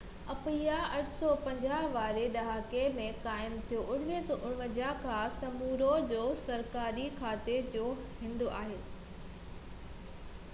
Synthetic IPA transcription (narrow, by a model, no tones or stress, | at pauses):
ɐpiːjaɐʈʰsɔpɐ̃ɲd͡ʑaːɦʋaːɾeɗɐɦaːkemẽkaːɪmt̪ʰijoʔʊɽ̤ʋesoʔʊɽməd͡ʑakʰãsɐmuːɾod͡ʑoːsɐɾkaːɾikʰaːt̪ed͡ʑoːɦɪ̃nd̪oʔa̰ːɦeː